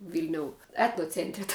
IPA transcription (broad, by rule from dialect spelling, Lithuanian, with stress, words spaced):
ˈʋʲɪlʲnʲoːʊ ˈæːtnoːt͡sʲɛnʲtʲrʲɪ tɐ